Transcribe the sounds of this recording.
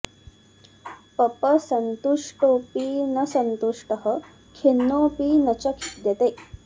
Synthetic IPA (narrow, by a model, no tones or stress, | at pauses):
pəpəsənt̪uʂʈoːpiːnəsənt̪uʂʈəɦə | kʰenːopinɐt͡ɕɐkʰi̥t̪jɐt̪eː